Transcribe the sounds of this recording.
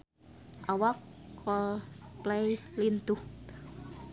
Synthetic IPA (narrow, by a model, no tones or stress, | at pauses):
ʔawakʰːɔlplɛjlint̪uh